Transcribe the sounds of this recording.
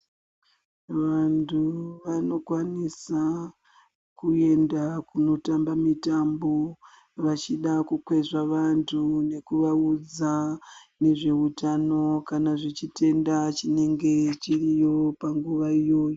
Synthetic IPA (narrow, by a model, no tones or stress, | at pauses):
ʋantʰuʋano̞kwanisa | kue̞ndakuno̞tambamitambo̞ | ʋat͡ʃiɗakukwe̞ʐaʋantʰune̞kuʋaud͡zane̞ʐe̞utano̞kanaʐit͡ʃite̞ndat͡ʃine̞ŋɡe̞t͡ʃirijo̞paŋɡuʋaijo̞ːjo